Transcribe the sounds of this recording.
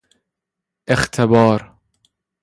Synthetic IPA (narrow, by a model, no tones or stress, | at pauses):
ʔext̪ʰebɒːɾ